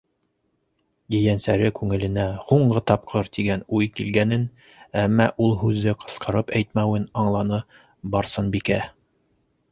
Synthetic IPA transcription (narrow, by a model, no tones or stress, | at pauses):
jɘ̆jænsæɾɘkʉŋɘ̆lɘ̆næhuɴɢɤt̪ɑp̚qʰɤɾt̪iɡænujkilɡænɘn | æmːæʔulˠɦʉðːɘqʰɤ̥̆sqʰɤ̆ɾɤpæjt̪mæwɘnɑɴlˠɑnɤ | bɑɾsɤnbikæ